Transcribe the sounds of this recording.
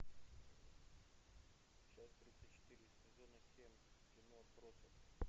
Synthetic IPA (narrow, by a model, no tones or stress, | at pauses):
t͡ɕasʲt̪ɾʲit̪sət͡ɕɪ̥t̪ɨɾʲɪ | ɪzʲonəsʲemʲvʲɪnoɐpɾosəf